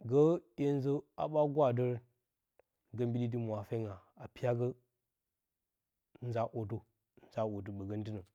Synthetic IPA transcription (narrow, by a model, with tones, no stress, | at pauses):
ɡə˦je˦n˦zə˦a̰˨ɓa˦ɡwa˦˨də˦ɾ | ɡə˦mbi˦di˦di˦mʷ˨a˨fe˦ŋɡa˨a˨pi˦ja˦ɡə˦ | n̩˦za˨ʔo˨tu˦ | n̩˦za˨wo˨t̬u˨ɓə˨ɡə˦n˦di˦nə˨